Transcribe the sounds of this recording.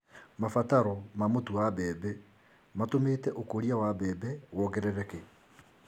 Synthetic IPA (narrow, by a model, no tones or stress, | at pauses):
mafataɾɔmamotuabɛːbɛ | matomeːtɛʔokoɾiawabɛːbɛwɔɣɛɾɛɾɛke